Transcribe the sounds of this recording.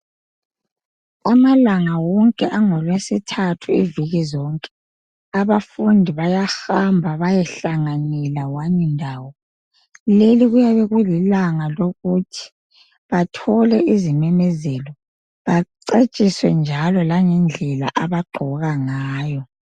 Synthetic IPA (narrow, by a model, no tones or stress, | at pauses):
amalaŋawɔŋkʼɛʔaŋɔlwesitʰatʰuiviɣizɔŋkʼɛ̥ | aβafundʱiβajaxambʱaβajɛɬaŋanɛlawaɲɛndʱaːwɔ | leliɣujaβɛɣwɛlilaŋaloɣutʰi̥ | βatʰɔlɛʔizimɛmɛzɛlɔ | βaǀet͡ʃʼiswɛnd͡ʒʱalɔlaŋɛnd͡ɮʱɛla̰ʔaβaɡ͡ǃʱɔɣaŋaːjɔ